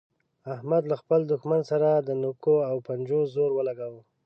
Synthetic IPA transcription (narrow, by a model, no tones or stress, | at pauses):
ahmad̪laxpəld̪ʊxmansaɾad̪ənokoawpand͡ʒozoɾwəlaɡawə